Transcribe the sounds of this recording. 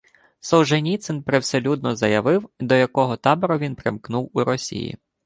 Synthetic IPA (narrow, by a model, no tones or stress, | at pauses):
sɔwʒenʲit̪sɪnpɾewselʲud̪nɔzɐjɐʋɪwd̪ɔjɐkɔɦɔt̪ɑbeɾɔʋʲinpɾɪmknuwuɾɔsʲḭjḭ